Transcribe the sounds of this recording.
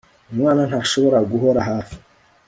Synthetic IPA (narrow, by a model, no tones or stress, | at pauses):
ŋananaʃɪbɾaɡuhoɾaɦaːf